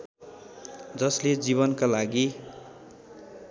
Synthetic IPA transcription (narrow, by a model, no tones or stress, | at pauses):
d͡zʌsled͡ziβʌnkalaɡi